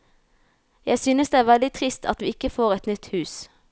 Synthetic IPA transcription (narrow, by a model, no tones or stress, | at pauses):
jæɪsyːnəsd̪eːæːʁʋɛld̪ɪt̪ʰʁɪst̪ʰɑ̰t̪ʋiːɪkəfoːʁɛt̪nʏt̪hʉːs